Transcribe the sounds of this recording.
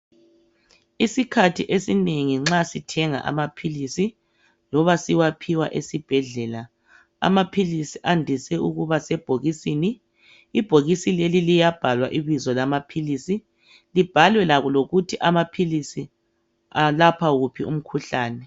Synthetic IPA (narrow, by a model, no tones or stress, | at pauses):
isikʰatʰiʔesineŋiŋ͡ǁasitʰɛŋa̰ʔa̰mapʰilisi | lɔβasiwapʰiwa̰ʔesib̥ʱɛɮɛːla | a̰mapʰilisiʔandʱisɛuɣuβasɛb̥ʱoɣisiniː | b̥ʱoɣisilelilijab̥ʱalwaʔiβizɔlamapʰilisi | lib̥ʱalwɛlaɣuloɣutʰiʔamapʰilisi | alapʰaɣupʰium̩kʰuɬaːnɛ